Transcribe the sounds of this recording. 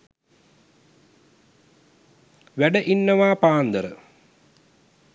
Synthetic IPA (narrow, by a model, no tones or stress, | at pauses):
ʋæɖəʔinːɐʋaːpaːnd̪əɾə̰